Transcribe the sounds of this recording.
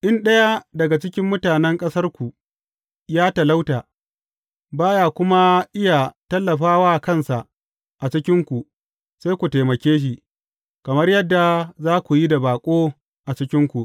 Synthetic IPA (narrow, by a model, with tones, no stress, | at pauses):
ʔɪ˦nɗɐ˦ja˦dɐ˨ɡa˨t͡ʃɪ˦kʲɪ˦mːʊ˦taː˨nɛ˦ŋkʼɐ˦sɐ˦rkʷu˨ʔ | jaː˦ta˨la˦wtaː˨ | baː˦ja˨kʷʊ˦ma˦ʔɪ˦ja˨tɐ˦lːɐ˨ɸaː˦waː˦˨kɐ˦nsa˨ʔ | ʔa˨t͡ʃɪ˦kʲɪ˦ŋkʷu˨ | se˦jkʷu˨teː˨mɐ˨kʲeː˦ʃ̬i˨ | kɐ˨mɐ˦rjɐ˦dːa˨zaː˦kʷu˨ji˦da˨baː˨kʷʼoː˦ | ʔa˨t͡ʃɪ˦kʲɪ˦ŋkʷu˨ʔ